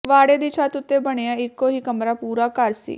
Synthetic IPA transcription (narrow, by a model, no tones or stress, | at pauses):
ʋaːɽeːd̪iːt͡ʃʰaːt̪ʊt̪ːeːbəɽ̃eːãːɪkːoːɦiːkəmɾaːpuːɾaːkəɾsḭː